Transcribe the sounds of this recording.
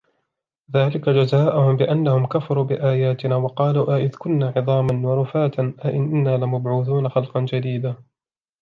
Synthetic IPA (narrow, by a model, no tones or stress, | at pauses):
ðaːlɪkad͡ʒazaːʔʊhʊmbɪʔanːahʊmkafɑɾˤuːbɪʔaːjaːt̪ɪnaːwɑqɑːluːʔaʔɪðkʊnːaːʕɪðˤɑːmanwɑɾˤʊfaːt̪anʔaʔɪnʔnːaːlɪmabʕuːθuːnaxɑlqɑnd͡ʒad̪iːd̪aː